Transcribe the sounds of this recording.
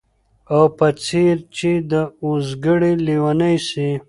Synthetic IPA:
awpɐt͡sʰiɾt͡ʃid̪əuzɡəɽiliwanajsi

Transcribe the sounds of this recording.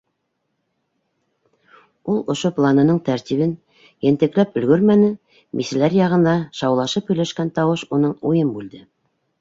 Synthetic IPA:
ulˠŏʃoplˠanɤ̆nɤɴt̪æɾt̪iβɘn | jæ̆nt̪ɘ̆klæpɵ̆lɡɵɾmænɘ | mʔisɘ̆læɾjɑʁɤ̆nd̪ɑʃɑwlˠɑʃɤpɵ̆jlæʃkænt̪ɑwɤʃunɤɴujɤmbʉld̪ɘ

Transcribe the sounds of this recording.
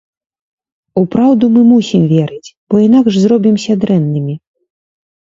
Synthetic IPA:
upɾawd̪umɨmusʲimvʲɛɾɨt͡sʲb̥ɔinaɡʐzɾɔbʲimsʲɐd̪ɾɛnːɨmʲi

